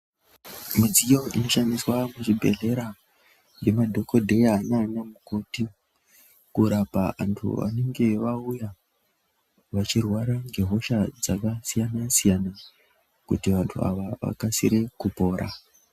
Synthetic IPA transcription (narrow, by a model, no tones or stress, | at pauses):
mid͡zijo̞ʔino̞ʃandiswamuʐibʱe̞̰ɮe̞ɾa | ŋɡe̞madʱo̞ko̞dʱe̞aːnanamuko̞ti | kuɾapaʋa̰ntʰṵʋa̰ne̞ŋɡe̞ʋauja | ʋat͡ʃirwaɾaŋɡe̞ɦo̞ʃad͡zakasijanasijana | kutiʋantʰua̰ʋaʋa̰kasḭɾe̞kupo̞ːɾʔa̰